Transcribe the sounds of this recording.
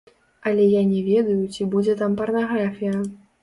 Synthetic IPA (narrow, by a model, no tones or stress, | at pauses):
ɐlʲɛjanʲɛvʲɛd̪ujut͡sʲibud͡zʲɛt̪ampɐrnaɣɾafʲijɐ